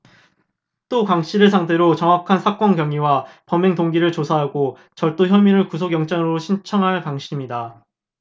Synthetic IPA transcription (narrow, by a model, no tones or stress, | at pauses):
t͈okaŋɕ͈iɾɯɭsʰaŋde̞ɾot͡ɕʌŋɦakʰansʰak͈ʌnkjʌŋiwapʌmːeŋtoŋɡiɾɯɭt͡ɕosʰaɦaɡo | t͡ɕʌɭt͈oçjʌmiɾɯɭkusʰoɡjʌŋt͡ɕ͈aŋɯɾoɕʰint͡ɕʰʌŋɦaɭpaŋɕʰiimɲida